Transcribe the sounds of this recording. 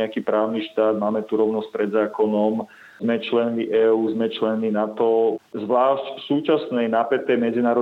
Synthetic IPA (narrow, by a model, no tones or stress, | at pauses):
ɛakiːpɾaːʊniʃt̪aːd̪maːmɛt̪uɾɔʊnɔsc̚ʲpɾɛd̪zaːkɔnɔm | zmɛt͡ʃlɛnmiʔɛːuːzmɛt͡ʃlɛnminat̪ɔzʋlaːʃcsuːt͡ʃasnɛjnaːpɛt̪ːɛjmɛd͡zinaːɾɔ